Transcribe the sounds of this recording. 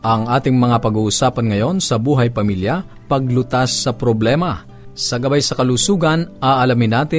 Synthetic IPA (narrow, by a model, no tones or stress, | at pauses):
ʔɐŋʔaːt̪ɪŋmɐŋapɐɡuːʔʊsaːpɐnŋɐjo̞nsɐbuːɦɐjpɐmiljɐ | pɐɡ̚lʊt̪asːɐpɾoblɛːmɐ | sɐɡɐbajsɐkɐlusuːɡɐnɐʔɐlamɪnaːt̪ɪ